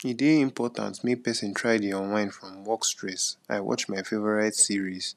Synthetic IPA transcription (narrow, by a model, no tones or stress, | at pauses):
ideĩmpʰɔtã̰nsmepɛsɛ̃ntʰɹaɪdiɔ̃nwãɪ̃nfɹɔ̃mwɔkstɹɛsa̰ɪwɔ̰t͡ʃmaɪfevɔɹaɪtsiɹis